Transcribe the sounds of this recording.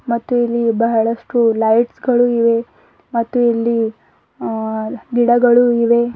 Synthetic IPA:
mɐt̪ːuilːibɐɦɐɭɐʂʈulɐjʈsɡɐɭuiʋe | mɐt̪ːuilːi | ɡiɽɐɡɐɭuiʋe

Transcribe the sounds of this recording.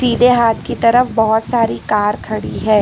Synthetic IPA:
siːd̪ʱeɦaːt̪kit̪ɐɾəfbɔɦʊt̪saːɾikaːɾkʰɐɽiɦɛː

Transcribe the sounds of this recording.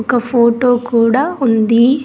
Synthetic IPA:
kɐpʰoːʈoːkuːɽaːund̪i

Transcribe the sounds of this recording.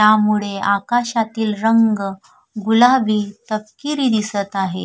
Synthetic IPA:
jamuɭeakaɕat̪iːlɾəŋɡ | ɡulaʋiːt̪əp̚kiɾiːd̪isət̪aɦe

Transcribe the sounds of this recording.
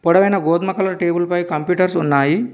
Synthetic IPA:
pɔɽɐʋɐjnɐɡoːd̪mɐkɐlɐʈeːbulpɐjkɐmpjuːʈɐɾsunːaːji

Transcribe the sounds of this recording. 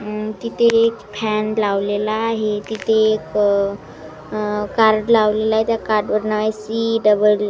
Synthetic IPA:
t̪it̪ʰeːkpʰɛnlaʋlelaːɦet̪it̪ʰeːk | kaɾɖlaʋlelaɦet̪jakaɾɖʋəɾnaʋajsiɖəbəl

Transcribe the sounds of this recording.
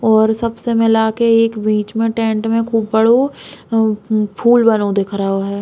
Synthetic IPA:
ɔːɾsɐbsemɪlakeeːkbiːt͡ʃmẽʈẽːɳʈmẽkʰuːbbɐɽo | pʰuːlbɐnod̪eːkʰɾəɦoɦɛː

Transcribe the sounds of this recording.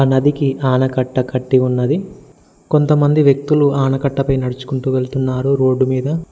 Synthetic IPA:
aːnɐd̪ikiʔaːɳɐkɐʈːɐkɐʈːiunːɐd̪i | ko̞nt̪ɐmɐnd̪iʋjek̚t̪uluaːnɐkɐʈːɐpɐjnɐɽut͡ʃu̥kuɳʈuːʋe̞ɭt̪unːaːɾuɾo̞ːɖːumiːd̪ɐ

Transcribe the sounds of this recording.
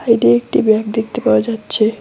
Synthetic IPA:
ajɖiek̚ʈibjakd̪ekt̪epawad͡ʒat̪ːt͡ʃʰe

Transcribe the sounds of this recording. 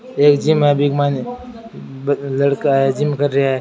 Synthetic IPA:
eːkd͡ʒɪmɦɛbɪkmaːn | lɐɽkaɦɛd͡ʒɪmkɐɾɾɐɦaɦɛ

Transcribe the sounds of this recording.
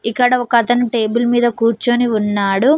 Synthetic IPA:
ikːɐɽɐɔkɐt̪ɐnuʈe̞ːbulmiːd̪ɐkuːɾt͡ʃoːniunːaːɽu

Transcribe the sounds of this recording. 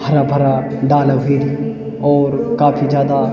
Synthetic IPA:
bɐɾabʱɐɾaɖaːlaɦeːɾi | ɔːɾkaːpʰizjaːd̪a

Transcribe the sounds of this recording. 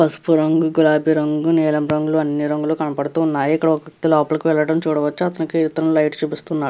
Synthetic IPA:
pɐsu̥puɾɐŋɡuɡulaːbʱiɾɐŋɡunɛːlɐmɾɐŋɡuluɐnːiɾɐŋɡulukɐnɐpɐɽut̪uːnːaːjikːɐɽɐɔkt̪ilɔːpɐlɐkuʋɛɭɐʈɐmt͡ʃuːɽɐʋɐt͡ʃːuɐt̪ɐnikit̪ːɐɾɐlɐjʈt͡ʃupist̪unːaːɽ

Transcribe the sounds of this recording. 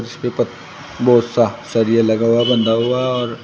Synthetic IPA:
ɾɪspẽpɐt̪̚ | bɔːt̪sasɐɾijalɐɡaɦabɐ̃nd̪aɦuaɔːɾ

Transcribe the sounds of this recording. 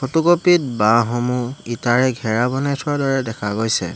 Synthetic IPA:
kʰotukopit̚baɦɔmuitaɹɛɡʱɛɹabɔnɛtʰʊwadɔɹɛdɛkʰaɡojsɛ̰

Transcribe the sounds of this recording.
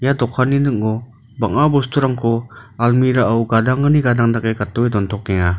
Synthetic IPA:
jadɔkʰaninɯk̚ːɔ | baŋabɔstʰuɾaŋkʰɔalmiɾaawɡadaŋɡɯniɡadaŋdakekatːɔwedɔntʰɔk̚ɡɛŋa

